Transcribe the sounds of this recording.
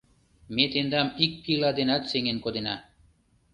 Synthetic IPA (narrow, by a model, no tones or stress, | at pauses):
met̪end̪amik̚pilad̪enat̪seŋenkod̪ena